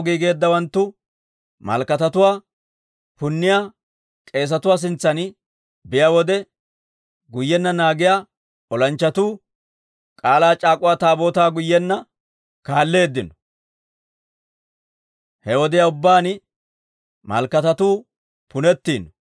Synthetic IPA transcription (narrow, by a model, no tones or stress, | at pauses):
ɡiːɡe̞ːd̪ːɐwɐnt̪ːʊ | mɐ̰lkɐt̪ɐt̪ʊwaː | pʊnːɪjaː | kʼe̞ːs̬ɐt̪ʊwaːs̬ɪnt͡sːɐn | bɪjawɔd̪ɛ | ɡʊjːɛnːɐnaːɡɪjaː | ɔlɐnt͡ʃːɐt̪uː | kʼaːlaːt͡ʃʼaːkʼʊwaːt̪aːbo̞ːt̪aːɡʊjːɛnːɐ | kaːlːe̞ːd̪ːɪnɔ̥ | hɛwɔd̪ɪjaʊbːaːnɪ | mɐ̰lkːɐt̪ɐt̪uː | pʊnɛt̪ːiːn